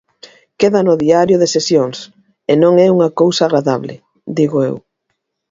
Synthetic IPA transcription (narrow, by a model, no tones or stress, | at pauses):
keðɐnʊðiaɾjʊðesesjoŋs | enõŋɛuŋɐkowsaɣɾaðaβlɪ̰ | d̪iɣʊḛw